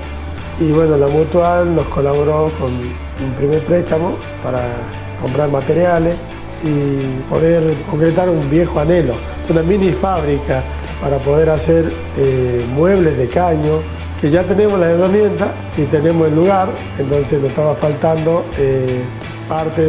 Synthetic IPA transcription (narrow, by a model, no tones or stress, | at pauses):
iβwe̞nolamut̪walno̞sko̞laβoɾoko̞n | umpɾimeɾpɾest̪amo̞ | paɾa | ko̞mpɾaɾmat̪e̞ɾjales | ipo̞ðeɾko̞ŋkɾet̪aɾumbjexoanelo̞ | unaminifaβɾika | paɾapo̞ðeɾaseɾ | emwe̞βlezðekaɲo | keʒat̪ene̞moslaeramje̞nt̪as | it̪ene̞moselːuɣaɾ | ent̪o̞nsesnoe̥t̪aβafalt̪and̪o̞e | paɾt̪e